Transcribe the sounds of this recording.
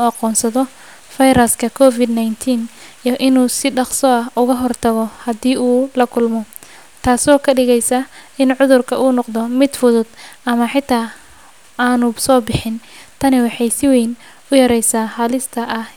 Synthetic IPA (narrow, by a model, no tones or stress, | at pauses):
uɑqɔːnsɐðɔ | fɐjɾɐskʰɐkʰɔːfɪd̪najnt̪ʰiːnijʔɪnuːsɪɖɑqsɔɐɦʔʊɣɐɦɔrt̪ʰɐɣɔhɐd̪iːʔuːlɐkʰʊlmɔ | t̪ʰaːsɔːkʰɐɖɪɣɛjsɐɪnʕʊðʊrkʰɐʔuːnɔqd̪ɔmɪd̪fʊðʊd̪ɐmɐħɪt̪ʰaː | aːnʊsɔːbɪħɪnt̪ʰɐnɪwɑħɑjsɪwejn | ʊjɐɾɛjsaːhɐlɪst̪ʰɐʔɐh